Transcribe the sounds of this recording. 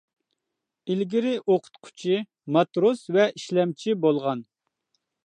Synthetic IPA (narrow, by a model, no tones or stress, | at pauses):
ilɡʲiɾɪʔoqʰʊ̥t̪qʰʊ̥t͡ʃʰi | mɑt̪ɾosvɛʔiʃlɛmt͡ʃʰibolˠʁɑn